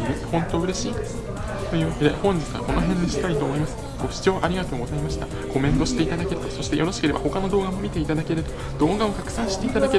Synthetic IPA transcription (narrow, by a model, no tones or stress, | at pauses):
ɾehõ̞nt̪oɯ̟ɾe̞ɕiː | t̪o̞jɯ̟ːβake̞d̪e̞̰hõ̞ɲ̟d͡ʑit͡sɨa̰ko̞no̞ɦẽ̞ɲːiɕi̥t̪ait̪o̞ːmo̞imasɨ̥ | ɡ̥o̞ɕi̥t͡ɕo̞ːʔaɾʲiɡat̪o̞ːɡo̞zaimaɕi̥t̪a̰ | ɡ̥o̞mẽ̞nt̪o̞ɕi̥t̪e̞it̪ad̪ake̞ɾɯt̪oso̞ɕi̥t̪e̞jo̞ɾoɕi̥ke̞ɾe̞ba̰ho̞kanod̪o̞ːɡamo̞mʲit̪e̞it̪ad̪ake̞ɾɯt̪o̞ | d̪̥o̞ːɡao̞k̪akɯ̟̥sãɰ̃ɕi̥t̪e̞it̪ad̪ake